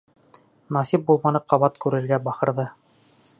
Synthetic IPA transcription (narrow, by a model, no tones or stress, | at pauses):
nɑsip̚bulˠmɑnɤqɑβɑt̪kʉɾɘ̆ɾɡæbɑχɤ̆ɾðɤ